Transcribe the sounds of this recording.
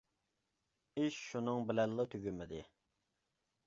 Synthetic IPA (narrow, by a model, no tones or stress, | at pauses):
iʃʃunɨŋbɪlɛlːət̪ʰøɡʲymɪd̪ɪ